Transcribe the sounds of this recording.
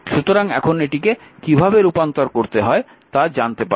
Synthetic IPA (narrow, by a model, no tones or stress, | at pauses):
ʃut̪oɾaŋɛ̰kʰoneʈikekibʱabeɾupant̪oɾkoɾt̪eɦɔe | t̪ad͡ʑant̪epa